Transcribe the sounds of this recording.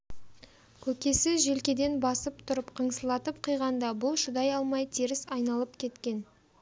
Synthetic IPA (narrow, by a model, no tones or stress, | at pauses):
kʲʰɵkʲe̞sɪzʒe̞lkʲe̞d̪e̞nbɑsəp̚t̪ʰʊɾəpqʰəɴsəlˠɑt̪əp̚qʰijʁɑnd̪ɑbʊlˠʃʊd̪ɑjɑlˠmɑjt̪ʰiɾɪsɑjnɑlˠəp̚kʲʰe̞t̪kʲe̞n